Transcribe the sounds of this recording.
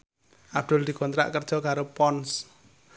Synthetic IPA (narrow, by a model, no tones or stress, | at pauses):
ʔab̚d̪̥ʊld̪i̤ɡ̥ɔnt̪ɾa̰ʔkərd̥ʒ̥ɔkaɾopɔns